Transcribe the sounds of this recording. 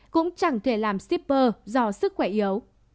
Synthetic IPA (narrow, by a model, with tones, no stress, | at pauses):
kʊ̰˧˥ŋ͡mt͡ɕa˧˩ŋt̪ʰe˧˩laː˨˩msi˦˥p̚ːəː˧zɔ˧sɨ˦˥k̚xwɛ˧˩ʔi˨˩ə˦w